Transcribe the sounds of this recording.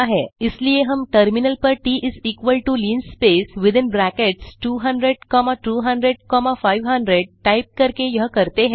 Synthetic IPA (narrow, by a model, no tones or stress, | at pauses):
aɦeislieɦəmʈəɾminəlpəɾʈiːʔizikʋəlʈuliːnspesʋid̪ɪnbɾækeʈsʈuːɦəɳɖɾeɖkɔmaʈuːɦəɳɖɾeɖ̚kɔmafajʋɦə̃ɳɖɾeɖ̚ʈajp̚kəɾkejəɦkəɾt̪eɦe